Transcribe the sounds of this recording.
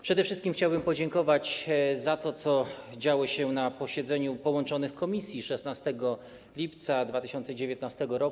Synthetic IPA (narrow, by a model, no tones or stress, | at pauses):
pʂɛd̪ɛfʂɘst̪kʲimxt͡ɕawbɘmpɔd͡ʑɛŋkɔvat͡ɕzat̪ɔt̪sɔd͡ʑawɔɕɛnapɔɕɛd̪zɛɲupɔwɔnt͡ʂɔnɘxkɔmʲisʲjiʂɛsnast̪ɛɡɔ | lʲipt̪sad̪vat̪ɘɕɔnt̪sɛd͡ʑevʲjet̪nast̪ɛɡɔɾɔk